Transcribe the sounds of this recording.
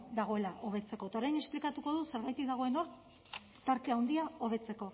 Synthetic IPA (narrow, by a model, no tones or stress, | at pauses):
d̪aɣ̞o̞e̞laʔo̞βe̞t͡se̞ko̞t̪aoɾajne̞splikat̪uko̞ðuse̞ɾɣajt̪ikðaɣ̞o̞e̞no̞ɾ | t̪aɾkeawnd̪iao̞β̞e̞t͡se̞ko̞